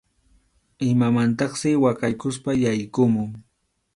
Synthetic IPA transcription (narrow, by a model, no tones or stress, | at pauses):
ɪmamant̪ɑχsɪwakajkʊspajajkʊmʊŋ